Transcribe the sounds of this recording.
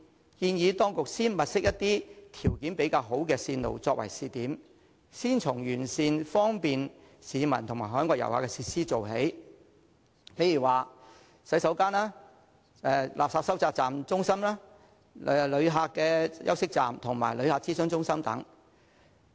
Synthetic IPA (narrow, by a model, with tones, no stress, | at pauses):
kiː˧njiː˨˧t̪ɔː˥ŋkʊ˨k̚siː˥nmɐ˨t̚sɪ˥k̚jɐ˥t̪ːiː˥t̪ʰiː˨˩wkiː˨˥npe˨˥jkaː˧wɦo˨˥wkɛː˧siː˧nlo̰˨wt͡sɔː˧k̚wɐ̰˨˩jsiː˨˧t̪iː˨˥m | siː˥nt͡sʰʊ˨˩ŋjyː˨˩nsiː˧nfɔː˥ŋpiː˨nsiː˨˧mɐ˨˩nt̪ʰʊ˨˩ŋmaː˨˩ɦœː˨˥nkʷwɔː˧k̚jɐ̰˨˩whaː˨˧kɛ˧˥siː˧siː˥t͡so˨wɦe˨˥j | pe˨˥jiː˨˩waː˨ | sɐ˨˥jsɐ˨˥wkaː˥naː˥ | ɛ˧lʔa̰ː˨p̚saː˧p̚sɐ˥wt͡saː˧k̚t͡saː˨mt͡sʊ˥ŋsɐ˥mlaː˥˧ | lɵ˨˧ɥɦaː˨˧kːɛː˧jʔɐ̰˥wsɪ˥k̚t͡saː˨mt̪ʰʊ˨˩ŋma̰ː˨˩jlɵ˨˧ɥhaː˨˧k̚t͡siː˥sœː˥ŋt͡sʊ˥ŋsɐ˥mt̪ɐ̰˨˥ŋ